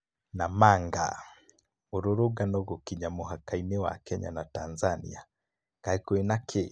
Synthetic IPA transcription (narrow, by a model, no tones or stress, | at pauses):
namaŋɡa̰ | oɾoɾuɡanɔɣokiɲamohakainewa̰kɛɲa̰natanzanḭa | kaikoinakʰe